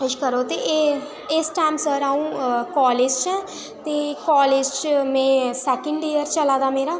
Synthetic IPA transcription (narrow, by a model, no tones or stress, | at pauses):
ʃkəɾoːt̪eʔ | ɪsʈaːjmsəɾaːũːkɔːleːd͡ʒt͡ʃɛ̃ː | t̪eːkɔːleːd͡ʒt͡ʃmɛ̃ːsɛːkə̃ɳɖejəɾt͡ʃəlaːd̪aːmeːɾaː